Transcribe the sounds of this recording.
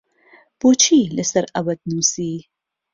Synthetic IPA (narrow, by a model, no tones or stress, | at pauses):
pot͡ʃʰilesɐɾɐbɐd̪̚nuːsiː